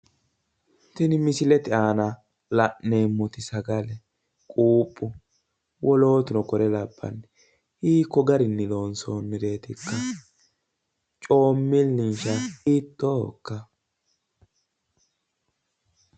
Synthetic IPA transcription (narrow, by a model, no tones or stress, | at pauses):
t̪ɪnɪmɪsɪlɛt̪ɪaːnɐ | lɐʔːeːmːʊt̪ɪsɐɡɐlɛ | kʼuːpʼːʊ | wʔɔlo̞ːt̪ʊnɔkɔɾɛlɐbːɐ̰nː | hiːkːɔɡɐɾɪnːɪlo̞ːnsonːɪɾe̞ːt̪ɪkːɐ | t͡ʃʼo̞ːmːɪlːɪnʃɐhit̪ːokːɐ